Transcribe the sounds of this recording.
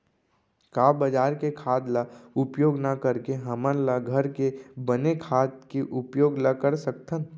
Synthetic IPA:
kaːbəd͡ʒaːɾkekʰaːd̪laʊpjoːɡnakəɾkeɦəmənlaɡʱəɾkebənekʰaːt̪keʔʊpjoːɡləkəɾsək̚t̪ʰən

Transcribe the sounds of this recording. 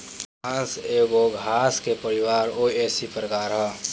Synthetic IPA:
ãːseːɡoɡʱaːskepəɾɪwaːɾoeːsipɾəkaːɾɦɛ

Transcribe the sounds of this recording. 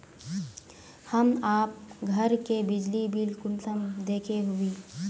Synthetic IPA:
həmaːp̚ɡʱəɾkebɪd͡ʒlibʱilkʊnsəmd̪eːkʰeɦʊiː

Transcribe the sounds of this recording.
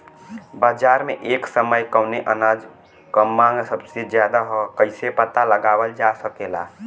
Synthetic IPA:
baːd͡ʒaːɾmeʔeːksəməjkəʊneʔənaːd͡ʒ | kəmːãŋɡsəbsed͡ʒjaːd̪aɦokəɪsepət̪aləɡaːwəld͡ʒasəkela̰ː

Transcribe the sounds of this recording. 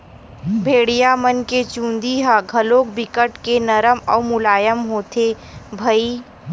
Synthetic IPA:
bʱeːɽijamənket͡ʃũːnd̪iɦaɡʱɐloːk̚bɪkəʈkenɐɾəmɔːmʊlaːjəmɦoːt̪ʰe | bʱɐiː

